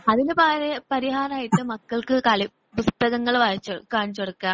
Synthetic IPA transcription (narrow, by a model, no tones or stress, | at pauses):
ɐðinɨpaːɾepɐɾiɦaːraːjiʈːɨmɐkːɐɭkɨkɐɭi | bust̪ɐɣɐŋːɐɭʋɐːɐt͡ɕːokaːɳit͡ɕːoɽɐkːaːm